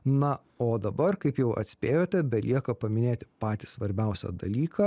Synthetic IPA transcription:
nɐ | oːd̪ɐbɐrkɐɪpjɛʊʔɐ̰t̪ʲsʲpʲeːjoːt̪ʲɛbʲɛlʲiɛkɐpɐmʲɪnʲeːt̪ʲɪpɑːt̪ʲiːsʋɐɾʲbʲɛˑʊsʲɛ̰d̪ɐlʲiːkɑ

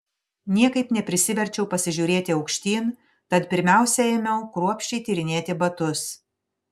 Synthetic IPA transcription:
nʲiɛkɐɪpnʲɛpʲɾʲɪsʲɪʋʲɛɾʲt͡ʃʲɛʊpɐsʲɪʒʲuːɾʲeːt̪ʲɪɒʊkʃʲt̪ʲiːn | t̪ɐt̪pʲɪɾʲmʲæˑʊsʲɛemʲɛʊkɾuɔpʲʃʲt͡ʃʲɛɪt̪ʲiːɾʲɪnʲeːt̪ʲɪbɐt̪ʊs

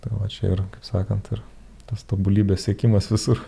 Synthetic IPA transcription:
t̪ɐɪʋɐt͡ʃʲɛ̰ɪ̰ɾkɐɪpsɑːkɐnt̪ɪr | t̪ɐst̪oːbulʲiːbʲeːssʲiɛkʲɪmɐsʋʲɪsʊr

